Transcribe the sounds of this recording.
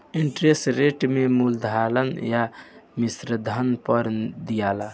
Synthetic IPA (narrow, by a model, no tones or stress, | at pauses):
iɳʈɾesʈɾeʈmemuld̪ʱalənjamisɾəd̪ʱənpəɾd̪ijala